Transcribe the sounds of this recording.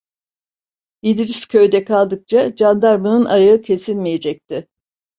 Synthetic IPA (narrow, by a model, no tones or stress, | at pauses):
id̪iɾiscʲʰø̞jd̪ɛkʰalˠd̪ɯk̚t͡ʃʰad͡ʒand̪aɾmɯnɯnaɾaɯcʰe̞sinmije̞d͡ʒɛc̚t̪ʰɪ